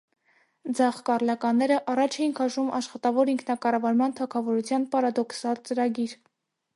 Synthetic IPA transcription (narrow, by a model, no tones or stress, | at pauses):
d͡zɑχkɑrlɑkɑnːɛɾəʔɑrɑt͡ʃʰɛinkʰɑʃumʔɑʃχɑt̪ɑvɔɾiŋkʰnɑkɑrɑvɑɾmɑnt̪ʰɑkʰɑvɔɾut͡sʰjɑnpɑɾɑd̪ɔksɑlt͡səɾɑɡiɾ